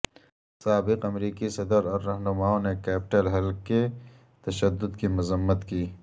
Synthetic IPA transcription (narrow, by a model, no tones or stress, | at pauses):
saːbɪqɐmɾiːkisɐd̪əɾɔːɾːɐɦnʊmaːõnekɛːpɪʈəlɦɐlke | t̪ɐʃəd̪ːʊd̪kimʊzəmːət̪kiː